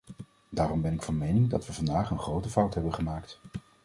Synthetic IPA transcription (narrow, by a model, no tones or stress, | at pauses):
daːrɔmbɛnɪkfɑnmejnɪŋdɑ̰tʋəvɑndaːχənχrowtəfʌwtɦɛbənχəmaːkt